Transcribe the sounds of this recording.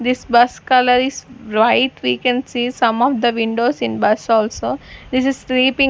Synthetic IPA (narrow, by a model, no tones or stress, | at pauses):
d̪isbɐskɐləɾisɾaɪʈʋiːkɛ̃ɳɖsiːsɐ̃mɔːʋd̪əʋĩɳɖoːsĩnbɐsɔːlsoːd̪is̬izsliːpĩ